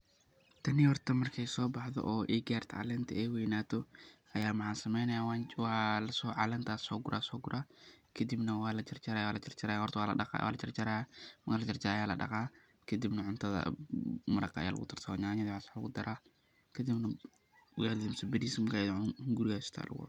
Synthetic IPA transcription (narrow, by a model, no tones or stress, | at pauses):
t̪ʰɐnɪhɔrt̪ʰɐmɐrkʰɛjsɔːbɑħðɔ̰ʔɔːʔɛɡaːrt̪ʰɐʕɑ̰lɛnt̪ʰɐɛjwɛjnaːt̪ʰɔ | ɐjaːmħaːsɐmɛjnɐjaːwwalɐsɔːʕɑ̰lɛːnt̪ʰaːsɔːɡʊɾʔa̰ːsɔːɡʊɾʔaːkʰɐd̪ibnɐwaːlɐt͡ʃɐrt͡ʃɐɾawaːlɐt͡ʃɐrt͡ʃɐɾaːjahɔrt̪ʰɐwaːlɐ̰wa̰lɐt͡ʃɐrt͡ʃɐɾaːjamɐklɐt͡ʃɐrt͡ʃɐjaːlɐ̰ɗɐ̰qaː | kʰɐd̪ibnɐʕʊnt̪ʰɐðɐ̰mɐɾɐkʰɐɐ̰ja̰ːlɐ̰ɣʊ̰t̪ʰɪrsɐwɲaɲɐdwasaːlɐɣʊd̪ɐɾaː | kʰɐd̪ɪbnɐ | wjld̪ɪmsɐbɛd̪isɪmkʰɐðhŋɡʊɾɪɣaːsɪ̥t̪ʰa̰ːlʔɐ̰ɣʊ̰